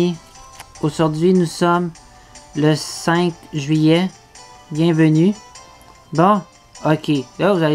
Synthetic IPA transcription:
oʒuʁd̪ɥinusɔm | ləsɛ̃kʒɥijɛ | bjɛ̃vəny | bɔ̃ | okʲʰelavuzae

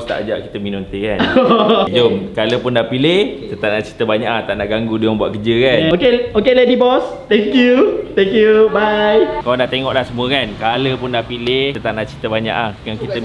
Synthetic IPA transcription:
st̪a̰ʔd͡ʒa̰ʔki̥t̪əminont̪ekand͡ʒomkaləpʊndapilɪhkit̪ət̪aʔ̚naʔt͡ʃi̥t̪əbaɲaʔaht̪aʔnaʔɡaŋɡuduaŋbuaʔkəd͡ʒəkanokeokeledibɔst̪ɛ̃ŋkjut̪ɛŋkjubajkaladat̪eŋɔʔlahsəmũəkankaləpʊndapilɪht̪ət̪aʔ̚naʔt͡ʃit̪əbaɲa̰ʔahjaŋkit̪ə

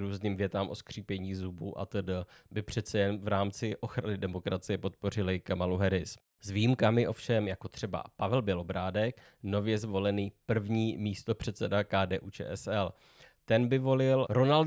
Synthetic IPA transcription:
ɾuːzniːmvjɛt̪amʔo̞skr̝̥iːpjɛɲiːzubuʔa̰t̪ədəbɪpr̝̥ɛt̪t͡sɛjɛnvɾaːmt͡sɪʔo̞xɾanɪdɛmo̞kɾat͡sɪjɛpo̞t̪̚po̞r̝ɪlɪkamaluɦɛɾɪs | zvijimkamɪʔo̞fʃɛmjako̞t̪r̥ɛba̰pavɛlbɪlo̞bɾaːdɛk | no̞vjɛzvo̞lɛniːpr̩vɲiːmiːst̪o̞pr̝̥ɛt̪t͡sɛdakaːdɛːʔuːt͡ʃɛ̰ːʔɛsɛl | t̪ɛnbɪvo̞lɪlɾo̞nalt

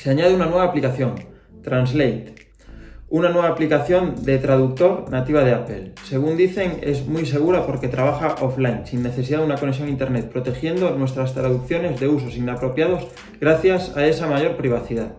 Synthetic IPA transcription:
seaɲað̞eunanwe̞β̞aplikaθjo̞n | t̪ɾanzlejt̪ | unanwe̞β̞aplikaθjo̞nd̪e̞t̪ɾaðuk̚t̪o̞ɾnat̪iβ̞aðe̞apelse̞ɣ̞und̪iθe̞ŋezmujse̞ɣ̞uɾapo̞ɾke̞t̪ɾaβ̞axaʔoflajnsinːe̞θe̞s̬iðaðunako̞neks̬jo̞ŋint̪e̞ɾnet̪̚pɾo̞t̪e̞xje̞nd̪onwe̞st̪ɾast̪ɾaðuk̚θjo̞ne̞zðe̞uso̞sinapɾo̞pjað̞o̞z | ɣɾaθjasae̞samaʝo̞ɾpɾiβ̞aθiðað

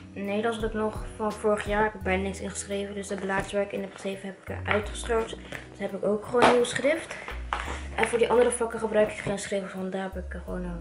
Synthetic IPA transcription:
nejlɑnsɦɑtɪknɔχfɑnvʊːɹəχjaːɹɪkbɛjnnɪksɪnχə̥sχrejvəndɵsdəblaːtsʋɛɹkɪnəpsejfəɦɛpɪ̥kə̰ʔœɥtχə̥sχœɹptd̥əsɦɛpɪkowkχəʋoːniwəsχrɪft | ʔɛnvʊːɹdiʔɑndəɾəfɑkəχəbrœɥkɪ̥kχensχrejvəfɑndaːɹɛpɪkχəʋoːno

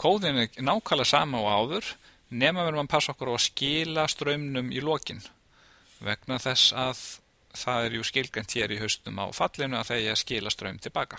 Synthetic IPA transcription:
kʰoːwðɪnɪnaːwkʰaːlasa̰ːmaɔɣaːwðʏɾ̥ | nɛːmavɛɾmanpʰasːɔhkaɾawascɪːlast̪ɾœːɥmnʏmḭlɔːcɪn | vɛ̰knaθɛsːað | θaðɛɾjuscɪlkan̥t̪ʰçɛːɾiɦœst̪ʏma̰wfat̪lɪnʏaðθejaascɪːlast̪ɾœ̰ːɥmt̪ʰɪlpaːka

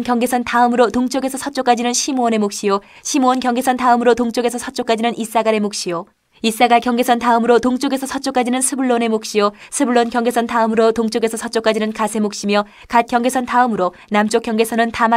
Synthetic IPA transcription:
nkjʌŋɡe̞sʰʌntaɯmɯɾotoŋt͡ɕ͈oɡe̞sʰʌsʰʌt͡ɕ͈ok͈ad͡ʑinɯnɕʰimoʌne̞mok̚ɕ͈io | ɕʰimoʌnkjʌŋɡe̞sʰʌntaɯmɯɾotoŋt͡ɕ͈oɡe̞sʰʌsʰʌt͡ɕ͈ok͈ad͡ʑinɯnis͈aɡaɾe̞mok̚ɕ͈ijo | is͈aɡakjʌŋɡe̞sʰʌntaɯmɯɾotoŋt͡ɕ͈oɡe̞sʰʌsʰʌt͡ɕ͈ok͈ad͡ʑinɯnsʰɯbɯɭːone̞mok̚ɕ͈iosʰɯbɯɭːonkjʌŋɡe̞sʰʌntaɯmɯɾotoŋt͡ɕ͈oɡe̞sʰʌsʰʌt͡ɕ͈ok͈ad͡ʑinɯnkasʰe̞mok̚ɕ͈imjʌ | kat̚k͈jʌŋɡe̞sʰʌntaɯmɯɾo | namt͡ɕ͈okjʌŋɡe̞sʰʌnɯntam

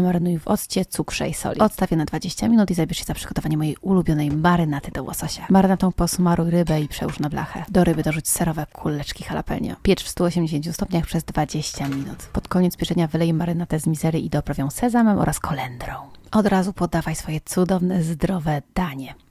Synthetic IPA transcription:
maɾɘnujvɔ̰st͡ɕɛt̪sukʂɛ̰isɔ̰lʲiɔt̪st̪avʲjanad̪vad͡ʑeɕt͡ɕamʲinut̪izabʲɛʂɕɛzapʂɘɡ̥ɔt̪ɔvaɲɛmɔjejʔulubʲjɔnɛjmaɾɘnat̪ɘd̪ɔwɔ̰sɔɕamaɾɘnat̪ɔ̃w̃pɔsmaɾʔujɾɘbɛipʂɛ̰uʂnabla̰xɛ̰d̪ɔɾɘbɘd̪ɔʐut͡ɕsɛɾɔvɛkʰulːɛt͡ʂkʲixala̰pɛ̰lɲʲɔ̰pʲjɛt͡ʂfst̪uɔɕɛmd͡ʑeɕ̬ẽɲt͡ɕust̪ɔpɲaxpʂɛzd̪vad͡ʑeɕt͡ɕamʲinṵt̪pɔt̪kɔɲeɛt̪zbʲjɛʐɛɲavɘlɛjɛmaɾɘnat̪ɛzmʲizɛɾɘʔid̪ɔpɾɔvjɔ̃w̃sɛzamɛmɔ̰ɾaskʰɔlɛnd̪ɾɔ̃w̃ɔd̪ɾazupɔd̪avajsfɔjɛt̪sud̪ɔvnɛzd̪ɾɔvɛd̪aɲɛ

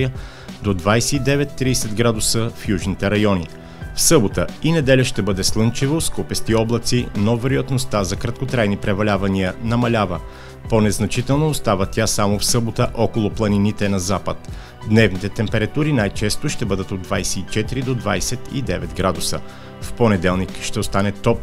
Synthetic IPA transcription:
ə | d̪od̪vajsɛid̪ɛvɛt̪ːɾiːsɛd̪ɡɾad̪ʊsəfjuʒnit̪ɛɾɐjɔni | fsɤbot̪əinɛd̪ɛlʲəʃt̪ɛbɤd̪ɛslˠɤnt͡ʃivoskupɛst̪iɔblˠɐt̪sinovɛɾojɐt̪nost̪azɐkɾɐt̪̚kot̪ɾajnipɾɛvɐlʲavɐniənɐmɐlʲavə | ponɛznɐt͡ʃit̪ɛlˠnoːst̪avət̪ʲasamofsɤbot̪əʔɔkolˠʊplˠɐninit̪ɛnɐzapət̪ | d̪nɛvnit̪ɛt̪ɛmpɛɾɐt̪uɾinajt͡ʃɛst̪oʃt̪ɛbɤd̪ət̪od̪vajsɛit͡ʃɛt̪iɾid̪od̪vajsɛt̪ḭd̪ɛvɛt̪ɡɾad̪usə̰ | fponɛd̪ɛlˠnikʃt̪ɛost̪anɛt̪ɔp

